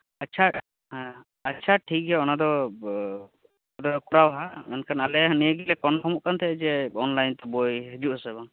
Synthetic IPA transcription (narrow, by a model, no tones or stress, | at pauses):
ətːt͡ʃʰa | ɦɛ̃ | ət͡ʃʰaʈʰik̚ɡɛɔnad̪ɔ | ad̪ɔkuɾawɦaɛnkʰanalɛɦənijəɡilɛkɔnkʰɔmuʔkant̪ʰɛʔɛd͡ʒɛɔnlajnt̪ɔbojɦəd͡ʒuʔɦəsɛbaŋ